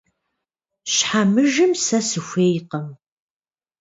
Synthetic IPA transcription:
ɕħamɨʒɨmsɐsɨxʷeːjqɐm

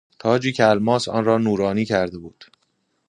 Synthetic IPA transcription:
t̪ʰɒːd͡ʒiːcʰælmɒːsɒ̰ːnɾɒːnuːɾɒːniːcʰæɾd̪e̞buːd̪̥

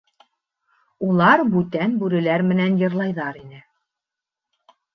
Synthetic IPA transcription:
ulˠɑɾbʉt̪ænbʉɾɘ̆læɾmɘ̆nænjɤ̆ɾlˠɑjðɑɾinɘ

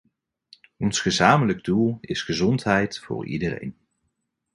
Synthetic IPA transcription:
ɔnsχəzaːmələɡdulˠɪsχəzɔntɦɛjtfʊ̰ːɹḭdərḛjn

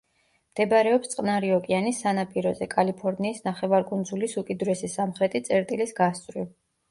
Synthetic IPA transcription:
md̪̥ɛbɾɛɔpst̪sʼqʼnaɾiɔkʼianisːanapʼiɾɔzɛkʼalipʰɔɾniːsnaχɛvaɾɡʼund̪zulisukʼid̪ɾɛsisamχɾɛt̪ʼit̪sʼɛɾt̪ʼilisɡast̪ʼvɾi

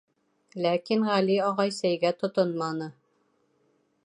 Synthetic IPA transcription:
lækinʁæliɑʁɑjsæjɡæt̪ŏt̪onmɑnɤ

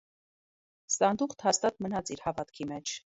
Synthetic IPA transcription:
sɑnd̪uχt̪ʰhɑst̪ɑt̪̚mənɑt͡siɾhɑvɑt̪kʰimɛt͡ʃʰ

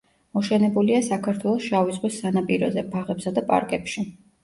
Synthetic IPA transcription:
mɔʃɛnɛbuliasakʰaɾt̪ʰwɛlˠɔsʃavizʁwisːanapʼiɾɔ̰zɛpʰaʁɛpsad̪apʼa̰ɾkʼɛpʃi

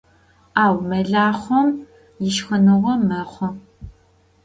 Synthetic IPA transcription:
aːwmɐɮaːχʷɔm | jɪʃxɐnɨʁʷɔmɐχʷɔ

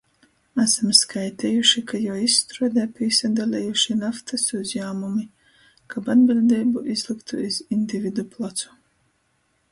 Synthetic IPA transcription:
asamskajt̪ʲɛjuʃikajawisːt̪ɾuɔd̪apʲisad̪alʲɛjuʃinaft̪asuzjaːmumi | kabad̪bilʲd̪ɛːbuʔizlˠikt̪ṵizinʲd̪ʲivʲid̪uplˠat̪su̥

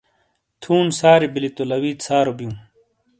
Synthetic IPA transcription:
t̪ʰuːnsaːɾibilit̪olɐwiːt̪saːɾobijũː

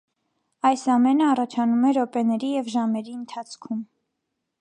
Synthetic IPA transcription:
ɑjsɑmɛnəɑrɑt͡ʃʰɑnumɛɾɔpɛnɛɾijɛvʒɑmɛɾiənt̪ʰɑt͡sʰkʰum

